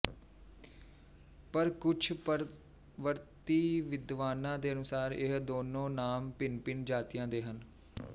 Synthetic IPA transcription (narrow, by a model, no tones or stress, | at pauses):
pəɾkʊt͡ʃʰpəɾ | ʋəɾt̪iːʋɪd̪ʋaːnãːd̪eːənʊsaːɾɪ̰ɦd̪oːnõːnaːmpɪnpɪnd͡ʒaːt̪ɪjãːd̪eːɦən